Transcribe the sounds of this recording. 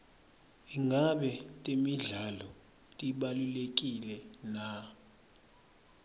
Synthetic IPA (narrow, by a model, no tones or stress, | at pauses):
iŋaɓɛtʼemiɮalɔ | tʼiɓalulek̬ʼilɛna